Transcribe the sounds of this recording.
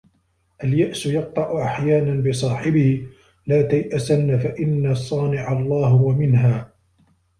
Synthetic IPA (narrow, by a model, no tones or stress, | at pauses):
ʔaljaʔsʊjɑq̚t̪ˤɑʔʊʔaħjaːnanbɨs̬ˤɑːħɪbɪhɪ | laːt̪ajʔasanːafaʔɪnːasˤɑːnɪʕalˤːɑːɦwamɪnɦaː